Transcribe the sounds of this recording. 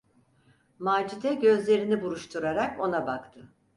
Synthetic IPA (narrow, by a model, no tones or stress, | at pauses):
maːd͡ʒit̪ɛɟø̞zlʲe̞ɾinibuɾuʃt̪ʰuɾaɾako̞nabakt̪ʰɯ